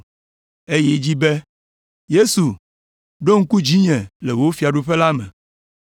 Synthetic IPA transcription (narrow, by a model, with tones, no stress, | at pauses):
e˦je˦d͡ʑi˦be˦ | je˦su˨ | ɖo˦ŋ̩˦ku˦d͡ʑi˦ɲɛ̃˨le˨wo˦fi˨a˨ɖu˦ɸe˦la˦mɛ̰̃˨